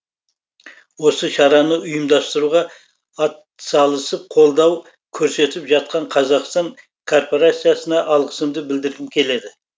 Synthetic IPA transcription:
wo̞səʃɑɾɑnəʊjəmd̪ɑst̪əɾuʁɑ | ɑt̪ | sɑlˠəsəp̚qʰo̞lˠd̪ɑw | kʲʰɵɾse̞t̪ɪpʒɑt̪̚qɑɴqʰɑzɑqst̪ɑŋ | kʰo̞rpo̞ɾat̪sijasənɑʔɑlˠʁəsəmd̪əbɪld̪ɪɾɡ̪ʲɪmkʲʰe̞le̞d̪ɪ

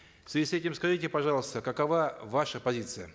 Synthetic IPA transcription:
sɪsʲɛtʲɪmskɐʐɨtʲɪpɐʐɑlˠəst̪əkɐkɐvavaʂəpɐzʲit̪sɨjə

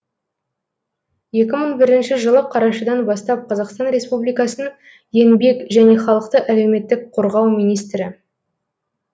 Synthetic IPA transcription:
je̞kʲɪməɴbɪɾɪnʃɪʒəlˠəqʰɑɾɑʃəd̪ɑnbɑst̪ɑp̚qʰɑzɑqst̪ɑnɾe̞spublijkɑsənəɴ | je̞nbe̞kʒæne̞χɑlˠəqt̪əʔæle̞wme̞t̪ːɪk̚qʰoɾʁɑwmijnijst̪ɾɪ

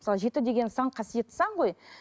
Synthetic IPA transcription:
əsɑlˠəʒe̞t̪ɪd̪e̞ɡʲe̞nsɑɴqʰɑsije̞t̪sɑɴʁo̞j

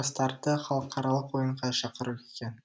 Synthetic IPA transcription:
st̪ɑɾt̪əχɑlˠəqʰɑɾɑlˠəqwo̞jəɴʁɑʃɑqəɾuekʲen

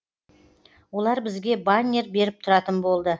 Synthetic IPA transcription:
wo̞lˠɑɾbɪzɡʲe̞banʲeɾbe̞ɾɪp̚t̪ʰʊɾɑt̪ənbo̞lˠd̪ə

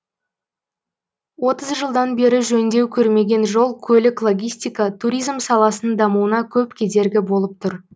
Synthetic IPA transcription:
wo̞t̪əzʒəlˠd̪ɑnbe̞ɾɪʒɵnd̪e̞wkʲʰɵɾme̞ɡʲe̞nʒo̞lˠkʲʰɵlɪklˠo̞ɡʲijsʲt̪ijkɑt̪ʰuɾʲijzmsɑlˠɑsənəd̪ɑmuwənɑkʲʰɵpkʲʰe̞d̪e̞ɾɡʲɪbo̞lˠəp̚t̪ʰʊɾ

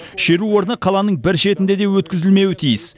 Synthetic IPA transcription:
ʃe̞ɾuwo̞ɾənəqʰɑlˠɑnəɴbɪɾʃe̞t̪ɪnd̪e̞d̪e̞wɵt̪̚kʲɪzɪlme̞wɪt̪ʰijɪs

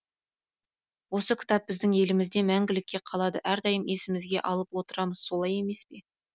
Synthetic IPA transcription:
wo̞səkʲʰɪ̥t̪ɑp̚ːbɪzd̪ɪŋe̞lɪmɪzd̪e̞mæŋɡʲɪlɪkʲːe̞qʰɑlˠɑd̪əʔæɾd̪ɑjəmʔe̞sɪmɪzɡʲe̞ʔɑlˠəpwo̞t̪əɾɑməz̥so̞lˠɑje̞me̞spe̞

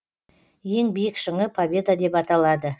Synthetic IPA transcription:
je̞ŋbijɪkʃəɴəpʰabʲe̞d̪ad̪e̞pɑt̪ɑlˠɑd̪ə

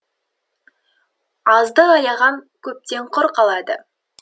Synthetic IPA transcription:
ɑzd̪əɑjɑʁɑŋkʲʰɵp̚t̪e̞ɴqʰoɾqɑlˠɑd̪ə

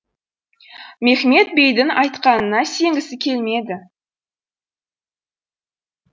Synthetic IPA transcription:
me̞χme̞t̪̚be̞jd̪ɪnɑjt̪qɑnənɑse̞ŋɡʲɪsɪkʲʰe̞lme̞d̪ɪ

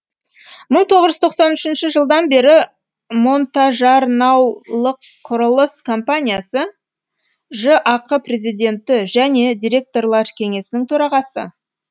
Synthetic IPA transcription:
məɴt̪ʰo̞ʁəʒʏzt̪ʰo̞qsɑnʏʃɪnʃɪʒəlˠd̪ɑnbe̞ɾɪ | mo̞nt̪ɑʒɑɾnɑwlˠəqʰːʊɾəlˠəskʰo̞mpanʲijasə | ʒəʔɑqʰəpre̞zijd̪ʲe̞nt̪ɪʒæne̞d̪ʲijɾʲe̞k̚t̪o̞rlˠɑɾkʲʰe̞ŋe̞sɪnɪŋt̪ʰɵɾɑʁɑsə̰

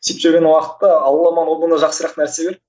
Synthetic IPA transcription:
sipʒʏɾɡʲenwɑqə̥t̪ːəɑwlˠɑmɑnwoənd̪ɑʒɑqsəɾɑqnæɾsebʲe̞ɾ

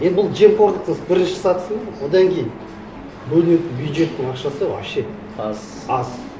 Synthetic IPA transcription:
jend̪bʊlˠd͡ʒe̞mkʰo̞ɾd̪əq̚t̪ʰəəsbɪɾɪnʃɪ̥sɑt̪ə̥səɴwo̞d̪ɑŋkʲʰejɪn | bɵlɪne̞t̪ɪnbjud̪ʒe̞t̪ːɪŋɑqʃɑsəɑ̰ʃe | ɑz

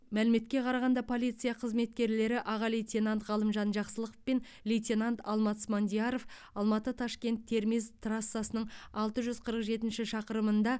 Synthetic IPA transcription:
mælɪme̞t̪kʲe̞qʰɑɾɑʁɑnd̪ɑpʰo̞lijt̪sɨjaqʰəzme̞t̪̚kʲe̞ɾle̞ɾɪʔɑʁɑlʲejt̪ʲenant̪ʁɑlˠəmʒɑnʒɑqsəlˠəqə̥fpen | lʲejt̪ʲenant̪ɑlˠmɑt̪smond̪ʲijɑɾo̞f | ɑlˠmɑt̪ət̪ʰɑʃkʲe̞nt̪ʰːe̞ɾmizt̪rasːasənəɴɑlˠt̪əʒʏzqʰəɾəqʒe̞t̪ɪnʃɪʃɑqəɾəmənd̪ɑ

